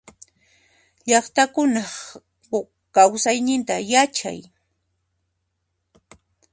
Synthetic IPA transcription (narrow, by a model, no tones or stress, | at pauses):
ʎɑχt̪akʊnɑχ | kawsajnɪnt̪ajat͡ʃa̰j